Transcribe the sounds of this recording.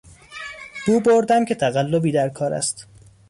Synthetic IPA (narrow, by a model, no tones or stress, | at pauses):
b̥uːboɾd̪æmcʲʰe̞t̪ʰæɣælːobiːd̪æɾkʰɒːɾæ̰st̪